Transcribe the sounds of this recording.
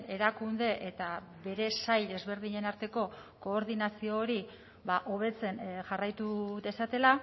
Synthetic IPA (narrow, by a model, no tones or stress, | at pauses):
e̞ɾakund̪e̞ʔet̪a | be̞ɾe̞sajd̪e̞zβe̞ɾð̞iɲe̞naɾt̪e̞ko̞ | ko̞ːɾðinasio̞ːɾi | βaʔo̞β̞e̞t͡se̞nʝarajt̪uðe̞sat̪e̞la